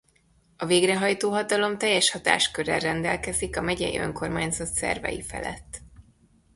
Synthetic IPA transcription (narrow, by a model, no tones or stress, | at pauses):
ɒveːɡrɛɦɒjt̪oːɦɒt̪ɒlo̞mt̪ɛjːɛʃhɒt̪a̰ːʃkøɾɛrrːɛnd̪ɛlkɛzikɒmɛɟɛ̰jḭø̞̰ŋko̞rmaːɲzɒt̪sɛ̰rvɛ̰jifɛ̰lɛ̰t̪ː